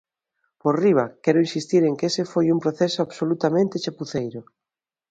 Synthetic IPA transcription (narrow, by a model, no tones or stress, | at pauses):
poriβ̞a̰kɛɾʊinsist̪iɾeŋkesefojumpɾoθesoaβsolut̪amẽnt̪et͡ʃapuθejɾʊ